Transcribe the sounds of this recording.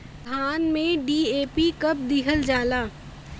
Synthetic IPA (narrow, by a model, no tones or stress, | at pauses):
d̪ʱaːnmẽɖiːeːpikɐp̚d̪ɪkʰəld͡ʒaːlaː